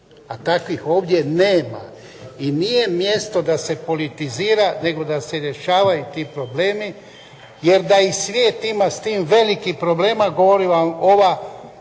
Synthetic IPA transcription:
at̪akʋixo̞ːʋd̪je̞neːma̰ | inije̞mje̞st̪o̞d̪ase̞po̞lit̪iziːɾane̞ɡo̞d̪ase̞ɾje̞ʃaːʋajut̪iːpɾo̞ble̞ːmi | je̞ɾd̪aisʋjeːt̪imast̪iːmʋe̞likipɾo̞ble̞ːmaɡo̞ʋo̞ɾiʋamoʋa

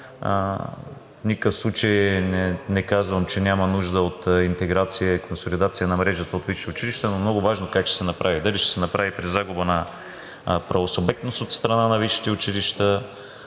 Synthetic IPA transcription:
fnikəfslˠut͡ʃəjnɛnɛkazvəmt͡ʃɛnʲamɐnuʒd̪əot̪int̪ɛɡɾat̪sijəikonsolid̪at̪sijənɐmɾɛʒət̪əot̪viʃi̥t̪ɛʊt͡ʃiliʃt̪ənomnoɡʊvaʒnokakt͡ʃɛ̥sɛnɐpɾʔavid̪ɐliʃt̪ɛ̥sɛnɐpɾavipɾizaɡʊbənɐ | pɾɐvosobɛkt̪nost̪ot̪st̪ɾɐnanɐviʃi̥t̪ɛʊt͡ʃiliʃt̪ə

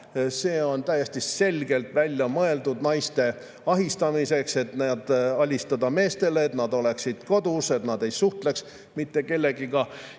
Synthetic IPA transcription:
se̞ːo̞nt̪æjest̪ise̞lʲɡe̞lt̪ˑvælʲjɑmɤe̞ld̪ud̪̥nɑjst̪e̞ | ɑɦist̪ɑmise̞kse̞t̪ned̪̥ɑlʲist̪ɑd̪ɑme̞ːst̪e̞let̪nɑd̪o̞le̞ksid̪̥ko̞d̪use̞t̪nɑd̪̥e̞jsuht̪le̞ks | mit̪ːe̞ke̞lːe̞ɡ̥ikɑ

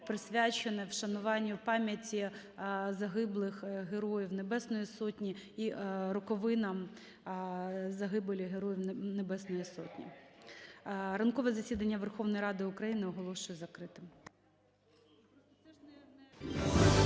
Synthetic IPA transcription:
pɾɪsʲʋʲat͡ʃenɛwʃɐnʊʋɑnʲːipɑmʲjɐtʲi | zɐɦɪblˠɪxɦeɾɔjiwnebɛsnɔjisɔtʲnʲiiɾɔkɔʋɪnɐm | zɐɦɪbelʲiɦeɾɔjiwnebɛsnɔjisɔ̰tʲnʲḭ | ɾɐnkɔʋɛzɐsʲid̪ɐnʲːɐʋerxɔʋnɔjɾɑd̪ɪʊkɾɐjinɪɔɦɔlˠɔʃʊjɛzɐkɾɪt̪ɪm

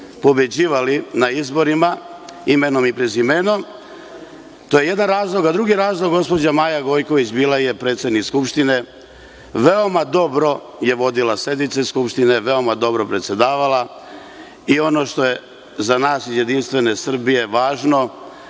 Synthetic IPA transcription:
po̞bje̞d͡ʑiːʋalinaizbo̞ɾima | imeno̞mipɾezimeno̞m | t̪ojeje̞d̪anɾaːzlˠo̞ɡad̪ɾuɡiɾaːzlˠoɡɡo̞spo̞d͡ʑamaːjaɡo̞jko̞ʋit͡ɕbiːlaje̞pɾe̞ːt̪sʲjed̪nikskupʃt̪ine̞ | ʋe̞o̞mad̪o̞bɾo̞ | je̞ʋo̞d̪ilase̞d̪nit̪seiskupʃt̪ine̞ʋe̞o̞mad̪o̞bɾo̞pɾet̪sjed̪aːʋala | io̞no̞ʃt̪o̞je̞ | zanaːsizje̞d̪inst̪ʋe̞ne̞sr̩bijeʋaːʒno̞

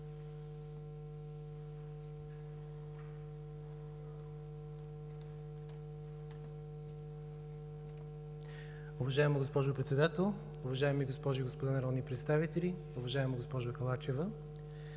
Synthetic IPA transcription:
ʊvɐʒaɛməɡospɔʒʊpɾɛt̪sɛd̪at̪ɛlˠ | ʊvɐʒaɛmiɡospɔʒʊiɡospod̪anɐɾɔd̪nipɾɛt̪st̪avit̪ɛli | ʊvɐʒaɛməɡospɔʒʊkɐlˠat͡ʃɛvə

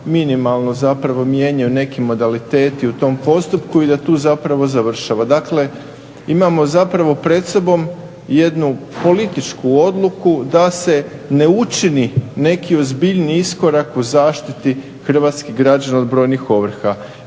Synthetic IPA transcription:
minimalˠno̞zapɾaʋo̞mje̞ɲajune̞kimo̞d̪alit̪e̞ːt̪iut̪o̞mpo̞st̪upkuid̪at̪uːzapɾaʋo̞zaʋr̩ʃaʋad̪akle̞ | imamo̞zapɾaʋo̞pɾe̞t̪so̞bo̞m | je̞d̪nupo̞lit̪it͡ʃkuo̞d̪lˠukud̪ase̞ne̞ut͡ʃinine̞kio̞zbiʎniisko̞ɾakuzaːʃt̪it̪i | xr̩ʋat̪skiɣɡɾad͡ʒanaod̪bɾo̞jnixo̞ʋr̩xa

